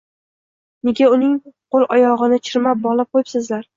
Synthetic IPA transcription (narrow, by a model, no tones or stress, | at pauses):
ne̞ɡʲaʊnɪŋqʰolˠʔɒjɒʁɨnɪt͡ʃʰɪɾmap̚bɒlˠɪp̚qʰojɪsɪzlaɾ